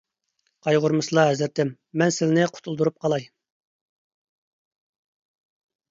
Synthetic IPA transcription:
qʰɑjʁʊɾmɨsɨlˠɑɦɛzɪɾt̪ɛmːɛnsɪlnɪqʰʊ̥t̪ʰulˠd̪uɾup̚qʰɑlˠɑj

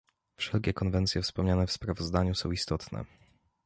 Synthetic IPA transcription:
fʂɛlkʲɛkɔnvɛnt̪sʲjɛfspɔmɲanɛfspɾavɔzd̪aɲusɔ̃w̃ist̪ɔt̪nɛ̰

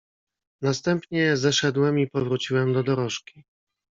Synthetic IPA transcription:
nast̪ɛmpɲɛzɛʂɛd̪wɛmipɔvɾut͡ɕiwɛmd̪ɔd̪ɔɾɔʂkʲi

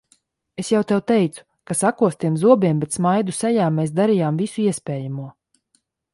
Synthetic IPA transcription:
esjawt̪ɛwt̪ɛjt̪su̥ | kasakuɔst̪iɛmzuɔbiɛmbɛt̪smajd̪usɛjaːmːeːs̬d̪aɾijaːmvisuiɛspʲɛːjamuɔ

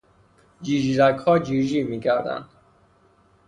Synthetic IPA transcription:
d͡ʒiːʒiɾæɡhɒːd͡ʒiʒiːmiːkʰæɾd̪æ̰nd̪̥

